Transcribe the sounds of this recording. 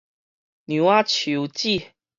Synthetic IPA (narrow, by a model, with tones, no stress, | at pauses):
nju˨˦wa˦t͡ɕʰu˨˦t͡ɕi˥˨